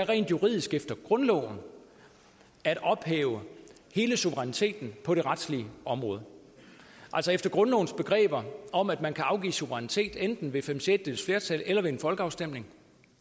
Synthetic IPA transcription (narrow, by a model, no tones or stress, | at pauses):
æɐʁɛ̰ːnd̥juʁḭð̰ˠisɡ̥efd̥ɐɡ̥ʁɔ̽nlɔ̰ːʊn̩ | æɾ̥ɒ̽b̥heːʊə | he̝ːləsuʋəʁanit͡sʰe̝̰ːd̥n̩pʰɒ̽ɾ̥e̝ʁad̥sliəɒ̽mʁɔ̽ːð̞ˠ | ʔæl̰sɒefd̥ɐɡ̥ʁɔ̽nlɔ̰ʊn̩sb̥e̝ɡ̥ʁɛ̰ːb̥ɐɒ̽m̰æd̥mænkʰæɑ̈ʊɡ̥ḭːsuʋəʁanit͡sʰe̝̰ːd̥end̥n̩ʋe̝femsed̥eð̩sfle̝ːɐt͡sʰælelɐʋe̝enfɒ̽lɡ̥əɑ̈ʊsd̥em̰ne̝ŋ